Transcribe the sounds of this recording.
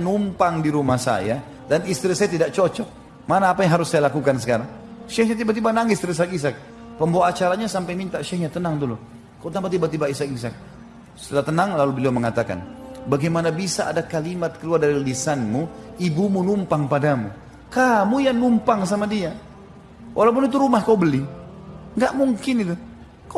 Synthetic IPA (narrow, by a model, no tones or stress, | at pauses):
numpaŋdiɾumahsa̰ja | danist̪ɾisajat̪idaʔ̚t͡ʃɔt͡ʃɔk̚ | manaːpajaŋɦaɾʊsːajalakukans̬ə̥kaɾaŋʃɛhɲat̪̬ibat̪̬ibanaŋɪst̪ɾis̬akis̬ak̚ | pəmboaːt͡ʃaɾaɲasampajmint̪aʃɛhɲat̪ənaŋd̪ulu | kaut̪ampat̪̬ibat̪̬ibaisakis̬ak̚ | sə̥t̪əlat̪ənaŋlalubəliɔməŋat̪aka̰nbaɡɛjmanabisaʔa̰dakalimat̪̚kəluardaɾilisanmuibumunumpaŋpadamu | kamujaŋnumpaŋsamadia | wʔalawp̬ʊnit̪̬uɾumahkaubəli | ŋɡaʔmuŋkɪnit̪u | ka